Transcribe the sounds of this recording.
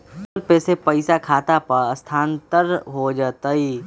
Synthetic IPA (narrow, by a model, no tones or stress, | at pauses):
lpeːsepəɪsakʰaːt̪apɐɾɐst̪ʰaːnt̪əɾɦod͡ʒaːt̪əi